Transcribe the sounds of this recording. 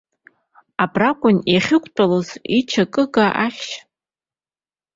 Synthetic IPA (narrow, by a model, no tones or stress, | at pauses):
abrakʷʼʊnjaχʲɪkʷʰʼt͡pʼalozit͡ʃʰakʼɨɡaʔaχʲʃ